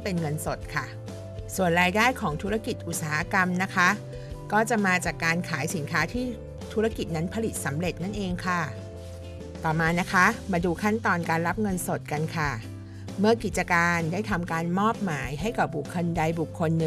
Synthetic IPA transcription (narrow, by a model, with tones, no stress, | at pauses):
pe˧nŋɤ˧nso˨˩t̪̚kʰa˥˩ | su˨˩ənɾaː˧jdaː˥˩jkʰɔː˩˦ŋt̪ʰu˦˥ɾa˧˩ki˨˩t̪̚ʔu˨˩saː˩˦ha˦˥ka˧mna˦˥kʰa˦˥ʔ | kɔː˥˩t͡ɕa˨˩maː˧t͡ɕaː˨˩kːaː˧nkʰaː˩˦jsi˩˦nkʰaː˦˥t̪ʰiː˥˩ | t̪ʰuː˦˥ɾa˥˩ki˨˩t̪̚na˦˥npʰa˧li˨˩t̪̚sa˩˦mɾe˨˩t̪̚na˥˩nʔeː˧ŋkʰa˥˩ | t̪ɔː˨˩maː˧na˦˥kʰa˦˥ʔmaː˧duː˧kʰa˥˩nt̪ɔː˧nkaː˧nɾa˦˥p̚ŋɤ˧nso˨˩t̪̚ka˧nkʰa˥˩ | mɯ˥˩ɐki˨˩t̪̚t͡ɕa˧kaː˧ndaː˥˩jt̪ʰa˧mkaː˧nmɔː˥˩p̚maː˩˦jɦa˥˩jka˨˩p̚bu˨˩kʰːo˧nda˧jbu˨˩kʰːo˧nːɯ˧